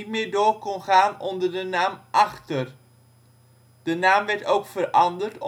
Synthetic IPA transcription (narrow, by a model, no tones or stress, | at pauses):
tmɪːɹdʊːɹkɔnχaːnɔndəɹdənaːmʔɑχtər | d̥ənaːmʋɛɹtowkfəɾɑndəɹt